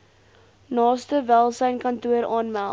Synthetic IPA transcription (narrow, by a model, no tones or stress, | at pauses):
nɑːstəvælˠsəjnkɐntuəɾɑːnmælˠ